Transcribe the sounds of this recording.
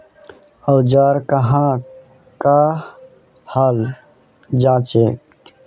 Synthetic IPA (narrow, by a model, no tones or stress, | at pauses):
əwd͡ʒaɾkəɦã | ka | hal | d͡ʒãːt͡ʃeːk